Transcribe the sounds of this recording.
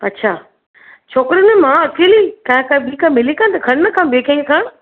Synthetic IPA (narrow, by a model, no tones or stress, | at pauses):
ɐtːɕʰaː | t͡ɕʰoːkɾinemãɐkeːlikãkãbikãːmɪlikãnt̪ɐkʰɐɽnɐkʰãːbeːkẽŋɡkʰãː